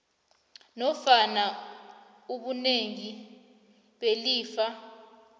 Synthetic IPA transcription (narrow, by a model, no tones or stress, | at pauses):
nɔfana | uɓuneŋi | ɓeliːfa